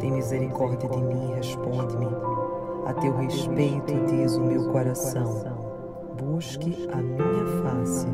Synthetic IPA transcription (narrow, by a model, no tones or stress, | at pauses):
t̪ẽj̃mizeɾikɔɾd̪iɐd̪ɪmĩiɦeʃpõnd̪ɪmɪ | ɐ̰t̪ewɦeʃpejt̪ʊd̪izumewkoɾasɐ̃w̃ɐ̃w̃ | buʃkɪɐmĩɲɐfasɪ